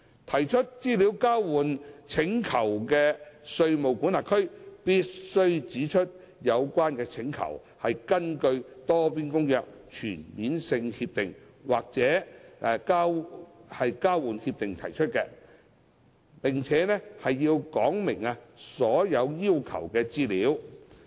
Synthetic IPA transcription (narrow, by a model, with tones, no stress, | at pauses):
t̪ʰɐ˨˩jt͡ʃʰɵ˥t̚t͡siː˥liː˨˥wkaː˥wwuː˨˩nt͡sʰɪ˨˥ŋkʰɐ˨˩wkɛ˧sɵ˧ɥmo˨wku˨˥nlaː˨˩kʰɵ˥ɥpiː˥t̚sɵ˥ɥt͡siː˨˥t͡ʃʰɵ˥t̚ | jɐ˨˧wkʷaː˥nkɛː˧t͡sʰɪ˨˥ŋkʰɐ̰˨˩w | hɐ˨jkɐ˥nkɵ˧ɥt̪ɔː˥piː˥nkʊ˥ŋjœː˨k̚t͡ʃʰyː˨˩nmiː˨˥nsɪ˧ŋhiː˧p̚t̪ɪ˨˩ŋ | waː˨k̚t͡sɛː˨˥˧kaː˥whɐ˨jkaː˥wwuː˨nhiː˧p̚t̪ɪ˨ŋt̪ʰɐ̰˨˩jt͡ʃʰɵ˥t̚kɛː˧ | pɪ˨ŋt͡sʰɛː˨˥nɛ˥hɐ˨jːiː˧wkɔː˨˥ŋmɪ˨˩ŋa˧sɔː˨˥jɐ˨˧wjiː˥wkʰɐ̰˨˩wkɛː˧t͡siː˥liː˨˧˥w